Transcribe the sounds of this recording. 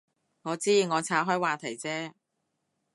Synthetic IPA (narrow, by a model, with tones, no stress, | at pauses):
ŋɔː˨˧t͡siː˥jiː˨˧ŋɔː˨˧t͡sʰaː˨˥ɦɔː˥jwaː˨t̪ʰɐ˨˩jt͡sɛː˥